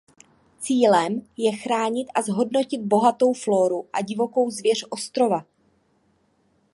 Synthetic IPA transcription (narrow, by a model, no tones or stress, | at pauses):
t͡siːlɛmjɛxɾaːɲɪt̪ʔazɦo̞dno̞cɪd̪̚bo̞ɦat̪o̞wflo̞ːɾuʔaɟɪvo̞ko̞wzvjɛr̝ʔo̞st̪ɾo̞va